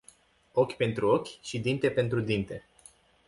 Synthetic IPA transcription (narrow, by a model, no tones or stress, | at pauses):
o̞kʲpe̞nt̪ɾuo̞kʲʃid̪int̪e̞pe̞nt̪ɾud̪int̪e̞